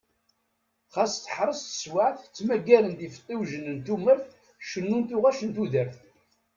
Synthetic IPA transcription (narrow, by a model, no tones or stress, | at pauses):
χæsθə̥ħɾˤəst̪ə̥swaʕθt͡sːmæɡːælənd̪ifə̥t̪ˤːiwʒənənt̪uməɾθ | ʃənːunt̪uʁæʃənt̪uðəɾθ